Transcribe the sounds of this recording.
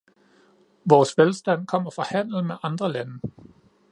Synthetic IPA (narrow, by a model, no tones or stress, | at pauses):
ʋɒːsʋelsd̥æn̰kʰɒ̽m̰ɐfʁɑ̈hæn̰l̩ˠmeʔɑ̈nd̥ʁɐlænə